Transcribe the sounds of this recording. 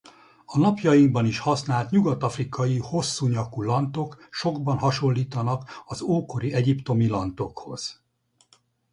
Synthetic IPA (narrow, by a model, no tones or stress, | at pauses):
ɒnɒpjɒjiŋɡbɒniʃhɒsnaːlt̪ɲuɡɒt̪ɒfrikɒjiho̞sːuːɲɒkulɒnt̪o̞kʃo̞ɡbɒnɦɒʃo̞lːiːt̪ɒnɒkɒzoːko̞ɾiɛɟipt̪o̞milɒnt̪o̞kho̞̰z̥